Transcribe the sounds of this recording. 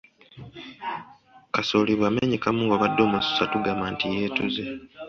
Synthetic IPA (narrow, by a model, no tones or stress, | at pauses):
kasoːliβwaːmeɲikamuŋɡoβadːo̞ːmusu̥satuɡamantijeːtuze